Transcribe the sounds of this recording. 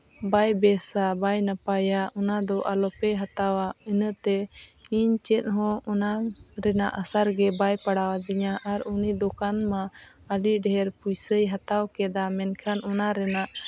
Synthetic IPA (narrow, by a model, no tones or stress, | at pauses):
bajbɛsabajnapajaɔnad̪ɔʔalɔpɛɦat̪awaənəʔt̪ɛiɲt͡ʃɛt̪̚ɦɔ̃ɔnaɾɛnaʔəsaɾɡɛbajpaɽawad̪iɲaʔːɾunid̪ɔkanmaəɖiɖɛɦɛɾpujsəjɦat̪awkɛd̪amɛnkʰanʔɔnaɾɛnaʔ